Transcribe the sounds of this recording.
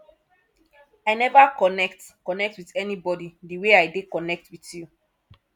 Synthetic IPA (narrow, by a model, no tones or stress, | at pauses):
ajnɛvakɔnɛktkɔnɛk̚twitɛnibɔdidiweajdekɔnɛk̚twitju